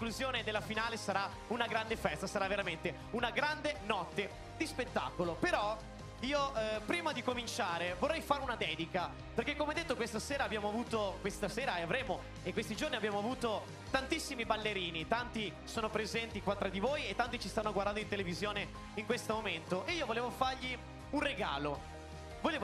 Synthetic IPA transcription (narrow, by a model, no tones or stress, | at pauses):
kluzjoːned̪elːafinaːlesaɾa | unaɡɾand̪efɛst̪asaɾavːeɾament̪e | unaɡɾand̪enɔt̪ːe | d̪ispet̪ːa̰ːkolopeɾɔ | iːopɾiːmad̪ikomint͡ʃaːɾevorːɛjfaːɾeunad̪ɛːd̪ika | perkekːomeɛd̪et̪ːokwest̪aseːɾaːbjaːmoavuːt̪okwest̪aseːɾaeavɾeːmo | ekːwest̪id͡ʒorniabjaːmoavuːt̪o | t̪ant̪isːimibalːeɾiːnit̪ant̪i | soːnopɾezɛnt̪ikwat̪ːɾad̪ivojet̪ːant̪it͡ʃist̪anːoɡward̪and̪oint̪̬elevizjoːne | iŋkwest̪omoment̪oʔeiːovoleːvofarʎi | unreɡa̰ːlo | voleː